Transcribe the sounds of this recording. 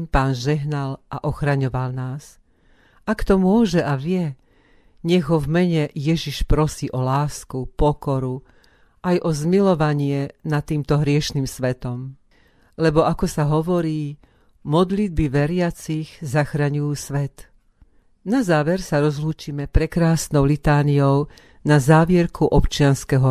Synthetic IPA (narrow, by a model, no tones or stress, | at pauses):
mpaːnʒɛɦnalʔaʔɔxɾaɲɔʋalnaːs | akt̪ɔmʊɔʒɛʔaʋɪɛ | ɲɛɣɦɔvmɛɲɛjɛʒiʃpɾɔsiːʔɔlaːskupɔkɔɾu | ʔajʔɔzmilɔʋaɲɪɛnat̪ːiːmt̪ɔɦɾɪɛʃniːmsʋɛt̪ɔm | lɛbɔakɔsaɦɔʋɔɾiː | mɔd̪lid̪̚biʋɛɾɪat͡siɣzaxɾaɲujuːsʋɛt̪ | nazaːʋɛɾsaɾɔzluːt͡ʃiːmɛpɾɛkɾaːsnɔʊlit̪aːniɔʊ | nazaːʋɪɛɾkʰuʔɔpt͡ʃɪanskɛɦɔ